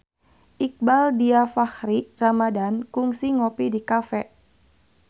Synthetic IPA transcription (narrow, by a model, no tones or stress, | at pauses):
ʔik̚baldiafahɾiramadankuŋsiŋopidikafɛ